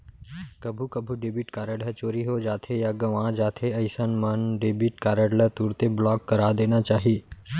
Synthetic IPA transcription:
kɐbʱukɐbʱuɖebiʈkaːɾəɽɦət͡ʃoːɾiɦod͡ʒaːt̪ʰejaɡɐʋãd͡ʒaːt̪ʰeɐɪsənmənɖeːbiʈkaːɾəɽlət̪uɾt̪eblɔːkːəɾaːd̪eːnat͡ʃaːɦi

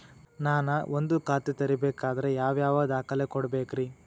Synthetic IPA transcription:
naːnɐʔond̪ukaːt̪it̪ɐɾibeːkaːd̪ɐɾe̞jaːʋjaːʋaːd̪aːkɐlekɔɽɐbeːkɾi

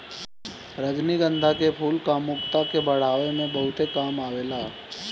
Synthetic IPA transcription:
ɾəd͡ʒniɡə̃nd̪ʱakepʰuːlkaːmːʊkt̪akebəɽ̤aːʋemẽbəɦʊt̪ekaːmaʋelaː

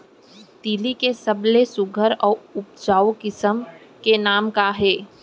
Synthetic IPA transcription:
t̪iːlikesəblesʊɡʱəɾɔːɾʊp̚d͡ʒaːokɪsəmkenaːmkaɦɛː

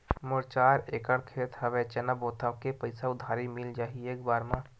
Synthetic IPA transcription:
mʊɾt͡ʃaːɾeːkəɽkʰeːt̪ɦəʋet͡ʃɛnəboːt̪ʰakepəɪsaʊd̪ʱaːɾimɪld͡ʒaːɦieːkbaːɾmãː

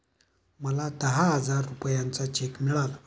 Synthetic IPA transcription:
mwalat̪aɦad͡zaɾupɔjant͡sat͡ʃʰekmiɺal

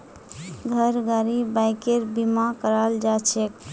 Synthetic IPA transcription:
ɡʱəɾɡaɾibajkeɾbimakəɾald͡ʒat͡ʃʰek

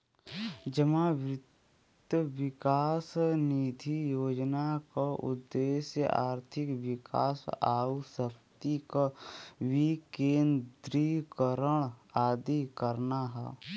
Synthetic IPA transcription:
d͡ʒəmaʋɾɪt̪t̪ | əwɪkaːsnid̪ʱijoːd͡ʒnakaʔʊ̰d̪ːeːsjə̰a̰ːɾt̪ʰɪkwɪka̰ːsaːwsəkt̪ikawikeːnd̪ɾikəɾəɽ̃aːd̪ikəɾnaɦɛ̰ː

